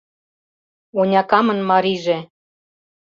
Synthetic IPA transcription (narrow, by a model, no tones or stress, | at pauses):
onʲɑkɑmɤ̆nmɑɾiʒĕ